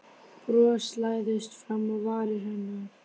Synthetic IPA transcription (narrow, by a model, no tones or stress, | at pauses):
pɾœːslaːjðɪst̪fɾamːaðvaːɾɪɦɛnːʏ